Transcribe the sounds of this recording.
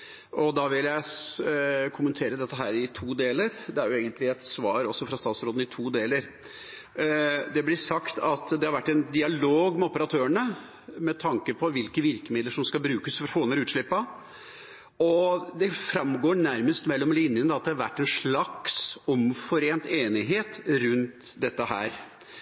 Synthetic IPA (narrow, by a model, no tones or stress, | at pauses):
ɔd̪ɑʋɪljæɪ | kʰʊmənt̪ʰeːɾəd̪ɛt̪ːəɦæːɾɪt̪ʰuːd̪eːləɾd̪ɛæɾjʊeːɡənt̪lɪɛt̪sʋɑːɾɔsːɔfɾɑst̪ɑːt̪sɾoːd̪n̩ɪt̪ʰuːd̪eːləɾ | d̪ɛblɪsɑkt̪ʰɑt̪d̪ɛhɑɾʋæʈːɛnd̪ɪɑloːɡmɛɔpəɾɑt̪ʰøːəɳə | mɛt̪ʰɑŋkəpʰɔʋɪlkəʋɪɾkəmɪd̪ləʂɔmskɑbɾʉːkəsfɾfoːnəɾʉːt̪ʂɭɪpːɑ | ɔd̪ɛfɾɑmɡoːɳæɾməst̪mɛlːɔmlɪnjənəd̪ɑt̪̚d̪ɛhɑɾʋæ̰ʈːɛnʂɭɑksɔmfɔɾeːnt̪eːnɪɦeːt̪ɾʉnt̪d̪ɛt̪ːəɦæ̰ːɾ